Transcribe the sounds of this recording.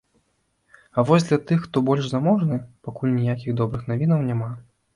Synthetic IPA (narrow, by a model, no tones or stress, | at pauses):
ɐvɔzʲd̪lʲɐt̪ɨxːt̪ɔbɔlʲʂzamɔʐnɨpakulʲnʲijakʲiɣd̪ɔbɾɨxnavʲinɐwnʲama